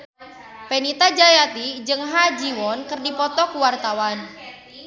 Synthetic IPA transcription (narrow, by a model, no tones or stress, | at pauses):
penit̪ad͡ʒajat̪id͡ʒɨŋɦad͡ʒiwɔnkɨrdipɔt̪ɔkuwart̪awan